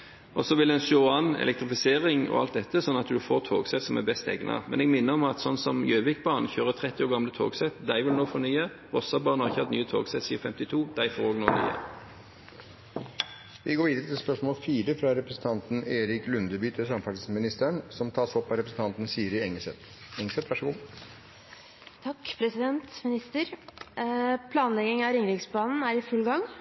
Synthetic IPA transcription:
ʔɔsɔʋɪlɛnsɔɑnɛ̰lɛk̚t̪ʁɪfɪseːʁɪŋɔ̰ɑ̰lt̪̚d̪ɛt̪ːəsɔnːɑt̪d̪ʉfoːʁt̪ʰo̰ːɡsɛt̪sɔmæbɛst̪ɛ̰ɡnɑ̰mɛ̰nɛɡmɪnːəʁɔmɑt̪sɔnsɔmjøːʋɪkbɑːʁnəçøːʁət̪ʰʁɛt̪ːɪoːʁɡɑmlət̪ʰo̰ːɡsɛt̪d̪æɪʋɪlnoːfɔnyːə | ʁɔsɑbɑːʁənɑʁɪçəhɑt̪nyːət̪ʰo̰ːɡsɛt̪siːɑfɛmt̪ɪt̪ʰuːd̪̥æɪfoːʁoːɡnoːɡny̰ːə̰ | ʋʔɪɡoːɾʋiːd̪əɾət̪ʰɪlspœʂmoːlfiːɾəfɾɑɾɛpɾəsn̩t̪ʰɑnt̪neːɾɪklʉnd̪əbyːt̪əsɑmfɑʈ̪smɪnɪst̪əɳsɔmt̪ʰɑːsɔpːɑɾɛpɾəsn̩t̪ɑnt̪nsiːəɾɛŋəsɛt̪ | ɛŋːəsɛt̪ʋæʂəɡuː | t̪ʰɑkːpʰɾɛsɪd̪ɛnt̪mɪnɪst̪əɾ | pʰlɑːnlɛɡɪŋɑɾɪŋɾɪɡsblɑːnn̩æɾɪfʉlɡɑŋ

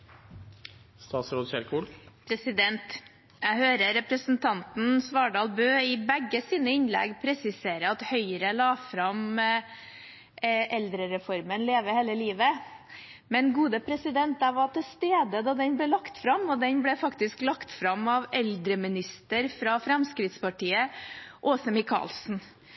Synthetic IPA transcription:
st̪ɑːt̪sɾoːd̪çɛɾkʰʊpʰɾɛsɪd̪ɛnt̪ | jæhøːɾəɾɛpɾəsn̩t̪ʰɑnt̪n̩sʋɑːɖɑːlˠbøːɪbɛɡːəsiːnəɪnlɛ̰ɡpʰɾɛsɪseːɾəɑt̪hœʏəɾəlɑːfɾɑm | ʔɛld̪ɾəɾɛfɔɾmənleːʋəɾheːləliːʋə | mɛnɡuːd̪əpʰɾɛsɪd̪ɛnt̪ɑʋɑʈɪlst̪eːd̪əd̪ɑːd̪ɛnblɛːlɑkt̪fɾɑmːɔd̪ɛnblɛfɑkt̪ɪsklɑkt̪fɾɑmɑʋɛld̪ɾəmɪnɪst̪əɾfɾɑfɾɛmskɾɪt̪spɑʈʰiːəʔoːsəmɪkʰɑ̰ːlsn̩

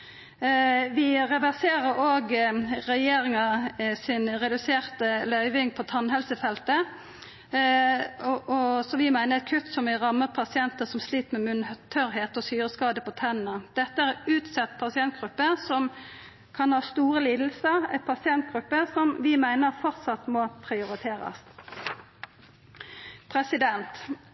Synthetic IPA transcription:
ʋɪʁɛʋæʁseːʁəɾoːɡɾɛjeːɾɪŋɑsɪnʁɛd̪ʉseːʁt̪əlœʏʋɪŋpʰɔt̪ʰɑnɦɛlsəfɛlt̪ə | ʔɔsɔʋɪmæɪnəʁɛt̪̚kʰʉt̪ːsɔmʋɪʁɑmːəʁpʰɑsɪɛnt̪əsɔmsliːt̪mɛmʉnht̪ʰœɾɦeːt̪ɔsyːɾəskɑːd̪əpɔt̪ʰɛnːəd̪̥ɛt̪ːəæʁʉːt̪sɛt̪ːpʰɑsɪɛnt̪̚ɡ̥ʁʉpːəsɔm | kʰɑnhɑːst̪uːʁəliːd̪l̩səʁæ̰ɪt̪pʰɑsɪɛnt̪̚ɡ̥ʁʉpːəsɔmʋɪmæɪnəʁfɔʁt̪sɑt̪mɔpʰʁɪʊʁɪt̪ʰeːɾɑ̰s | pʰʁɛsɪd̪ɛnt̪

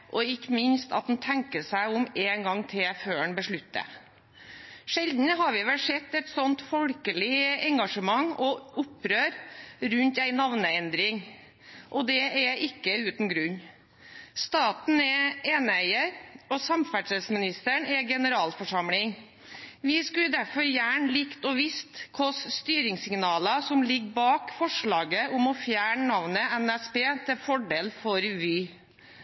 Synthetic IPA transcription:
ʔɔɪkːəmɪnst̪ɑ̰t̪̚d̪n̩t̪ʰɛŋkəʂæɪʊmeːnɡɑŋːt̪ʰeːføːɛɳbəʂɭʉt̪ːə̰ | ʂɛld̪n̩ɦɑɾʋɪʋɛlsɛt̪ːɛt̪sɔnt̪fɔlkəlɪɛŋɡɑʂəmɑŋɔʔʊpːɾøːɾɾʉnt̪æɪnɑʋnəɛnd̪ɾɪŋ | ʔɔd̪ɛɛʔɪkːəʉːt̪nɡɾʉɲː | st̪ɑːt̪n̩ɛeːnəæɪəɾɔsɑmfæʈəlsmɪnɪst̪əɳɛɡɛnəɾɑːlfɔʂɑmlɪŋ | ʋɪskʉd̪æɾfɔɾjæːɳəlɪkt̪ɔʋɪst̪kʰɔsst̪yːɾɪŋsɪŋnɑːləsɔmlɪɡːbɑːkfɔʂɭɑːɡəʔʊmɔfjæːɳənɑʋnəɛnɛspeːt̪ʰɪlfɔɖeːlfɔɾʋiː

